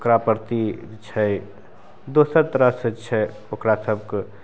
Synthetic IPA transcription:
okɾapəɾt̪it͡ʃʰɛ | d̪osəɾt̪ɾəsət͡ʃʰɛ | okɾasəb̚k

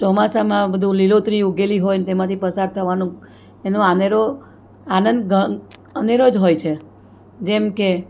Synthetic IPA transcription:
t͡ʃɔmasamãbəd̪ʱũlilot̪ɾiuɡeliɦojnt̪emãt̪ʰipəsaɾt̪ʰəʋanũ | enõaneɾo | anənd̪ɡəəneɾod͡ʒɦojt͡ʃʰe | d͡ʒemke

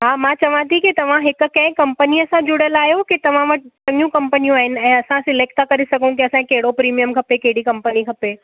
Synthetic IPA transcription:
ɦaːmãːt͡ɕɐʋ̤ãt̪ʰikit̪ɐʋ̤ãɦɪkʊ̆kɐ̃ɪ̃kɐ̃mpəniɐsãd͡ʑʊɽjəlaːɦjokit̪ɐʋ̤ãʋɐʈt͡ɕɐ̃ŋɡjũkɐ̃mpənijũaːɦɪnɪ̆ɛ̃ːɐsãsɪleːk̚t̪ʰakɐɾisɐɡʱũkiɐsãkɐɦɪɽopɾiːmijəmkʰɐpekɐɦɪɽikɐ̃mpənikʰɐpeː

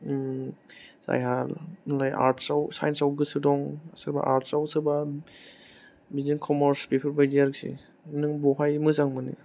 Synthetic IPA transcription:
sa̰jɦalnlajʔa̰ɾtʰsawsajnsawɡɯsɯdɔŋsɯɾba̰ʔaɾtʰsawsɯba | bizinkʰɔmɔɾspipʰɯɾbajziaɾk̚sḭ | nɯŋbɔɦajmɯzaŋmɯnḭ

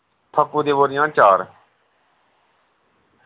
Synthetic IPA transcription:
p̪ʰəkːuːd̪eːʋoːɾɪjãːt͡ʃaːɾ

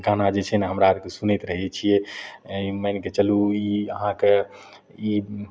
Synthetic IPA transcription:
ɡanad͡ʒet͡ʃʰɛneɦəmɾaːɾkesunɛt̪ɾəɦɛt͡ʃʰijɛimənket͡ʃəluiəɦãke | i

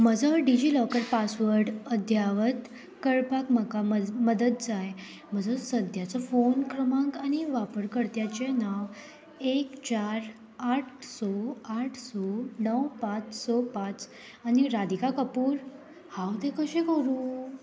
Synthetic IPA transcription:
məd͡zəɖid͡ʑilɔkəɾpasʋəɾɖəd̪ʱjaʋət̪ | kəɭpakməkaməd̪əd̪̚d͡zaj | m̤əd͡zəsəd̪ʱjat͡sɔfonkɾəmãkañiʋapəɾkəɾt̪jat͡ɕenaʋ | ekt͡ɕaɾ | aʈʰsɔaʈʰsɔnəwpat͡ssɔpat͡s | aniɾad̪ikakəpuːɾ | hawd̪ekəɕekəɾũ

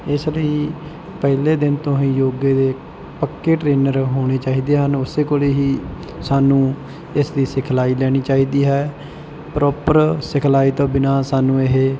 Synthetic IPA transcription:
ɪsləiː | pəɦleːd̪ɪnt̪õːɦĩːjoːɡeːd̪eː | pəkːeːʈɾeːnəɾɦoːɽ̃eːt͡ʃaːiːd̪eːɦənʊseːkoːleːɦiː | saːnũː | ɪsd̪iːsɪkʰlaːiːlɛːɽ̃iːt͡ʃaːiːd̪iːɦɛː | pɾʔɔːpəɾsɪkʰlaːiːt̪õːbɪnaːsaːnũːeɦeː

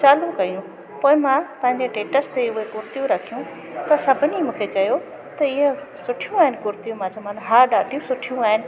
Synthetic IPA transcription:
t͡ɕaːlukɐijũ | poːɪ̃mãpɐ̃ɦɪ̃ɲd͡ʑeʈẽːʈəst̪eʊɦekʊɾt̪ijũɾɐkʰijũ | t̪ɐsɐbʱʊnimũːkʰet͡ɕɐjo | t̪ɐɪɦə | sʊʈʰijũaːɦɪnɪ̆kʊɾt̪ijũmãt͡ɕomaːnɦaːɾɗaːʈijũsʊʈʰijũaːɦɪnɪ̆

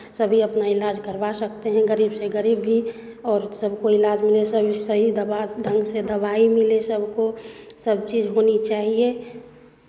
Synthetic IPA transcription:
səbʱiəpnaɪlaːd͡ʒkəɾbasək̚t̪eɦɛ̃ɡəɾiːbseɡəɾiːbːi | ɔːɾsəbʱkoɪlaːd͡ʒmɪlesəbʱisəɦid̪əbaɖə̃ŋɡsed̪əbaimɪlesəbʱkosəb̚t͡ʃiːd͡ʒɦonit͡ʃaːɦie

